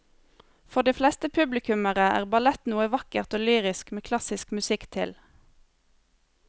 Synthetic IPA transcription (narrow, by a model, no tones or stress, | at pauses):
fɔʁd̪iːflɛst̪əpʰʉblɪkʉməʁəʔæ̰ːʁbɑlɛt̪nuːəʋɑkəʁt̪oːlyːʁɪskmeːkʰlɑsɪskmʉsɪkt̪ʰɪ̰l